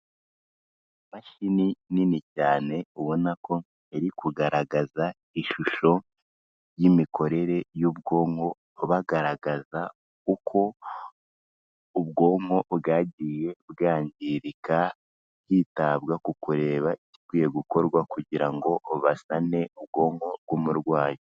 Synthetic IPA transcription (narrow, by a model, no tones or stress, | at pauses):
maʃinininicaːne̞uβo̞nako̞ | eɾikuɡaɾaɡaza | iʃuʃo̞ | jimiko̞ɾe̞ɾe̞juβɡo̞ːŋho̞ | βaɡaɾaɡaza | kukʰo̞ | uβɡo̞ːŋho̞βɡaːɟije̞bɡaːɲɟiɾika | ciːtaβɡakukuɾe̞ːβaʔici̥kwiːje̞ɡuko̞ɾɡwakuɟiɾaŋɡo̞ʔoβasane̞uβɡo̞ːŋo̞bɡwumuɾɡwaːjo